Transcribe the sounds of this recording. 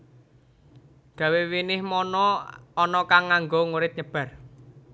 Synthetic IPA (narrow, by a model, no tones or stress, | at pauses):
d̪̥ä̤wewinɪhmɔnɔːnɔkaŋːaŋɡɔŋuɾɪt̪̚ɲəb̥ä̤r